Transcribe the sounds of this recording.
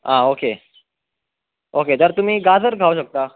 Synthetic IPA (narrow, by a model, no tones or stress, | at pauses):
ɦãoke | oket̪əɾt̪um̤iːɡad͡zəɾɡʱauɕək̚t̪a